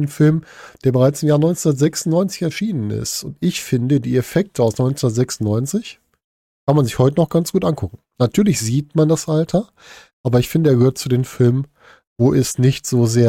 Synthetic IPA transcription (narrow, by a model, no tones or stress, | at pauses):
nfɪlmd̥eːɐbəʁaɪt͡sɪmjaːɐnɔʏnt͡snundɐtz̥ɛksʊnnɔʏnt͡sɪ̥çɛɐʃiːnənɪ̰stʊntʔɪçfɪndədiːefɛk̚tʰəaʊsnɔʏnt͡snundɐtzɛksʊntnɔʏnt͡sɪç | kʰanmanzɪçhɔʏtənɔχɡ̥ant͡sɡ̥uːtʔankʰʊkŋ̩ | natʰyːɐlɪçz̥iːtmandasʔaltʰɐ | ʔaːbɐɪçfɪndəeːɐɡəhøːɐtt͡sudeːmfɪlmən | voːʔɛsnɪçtz̥oːzeːɐ